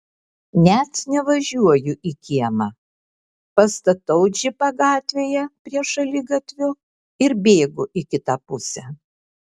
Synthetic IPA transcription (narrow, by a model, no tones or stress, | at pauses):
nʲæt̪nʲɛʋɐʒʲuɔjʊʔikʲiɛmɑ | pɐst̪ɐt̪ɐʊd͡ʒʲɪpɐɡɑːt̪ʲʋʲeːjɛpʲɾʲiɛʃɐlʲɪɡɐt̪ʲʋʲʊ | ɪɾbʲeːɡʊʔɪkʲɪt̪ɐpʊsʲɛ